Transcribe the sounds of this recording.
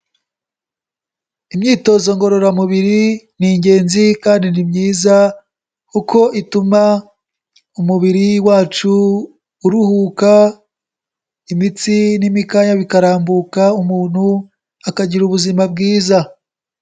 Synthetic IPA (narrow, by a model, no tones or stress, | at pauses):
imɲiːto̞ːzoŋɡo̞ɾo̞ɾamuβiɾi | niɲɟe̞ːnzikaːndinimɲiːza | kukʰo̞ʔituma | umuβiɾiwaːt͡ʃuː | ɾuhuːka | imit͡sinimikaːɲaβikaɾaːmbukaumuːn̥hu | akaɟiɾuβuzimab̚ɡiːza